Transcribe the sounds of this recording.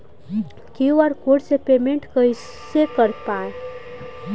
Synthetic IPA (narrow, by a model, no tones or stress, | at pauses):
kiaɾkoɽsepemẽɳʈkəi | sekəɾpaẽ